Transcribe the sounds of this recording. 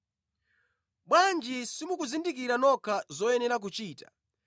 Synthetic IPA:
ɓwand͡ʒisimukuzindik̬iɾanɔkʰazɔɛnɛɾak̬ut͡ʃiːtḁ

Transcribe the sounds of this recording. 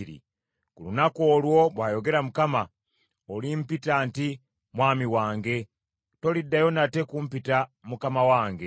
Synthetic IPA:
ɾḭ | kulunako̞ːlwo̞βwaːjo̞ɡe̞ɾamukama | olimpitaːnti | mwaːmiwaːŋɡe̞ | to̞lidːajo̞nate̞kumpitamukamawaːŋɡe

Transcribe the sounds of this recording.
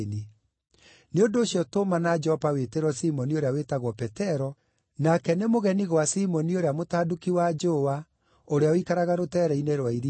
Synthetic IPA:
ni | neondoːɕjɔtomanad͡ʒɛɔpaweteɾwɔsimɔnioɾeawetaɣwɔpɛtɛɾɔ | nakɛnemoɣɛniɣwasimɔnioɾeamotaːdukiwad͡ʒowa | oɾeaoikaɾaɣaɾotɛɾɛineɾwaiɾi

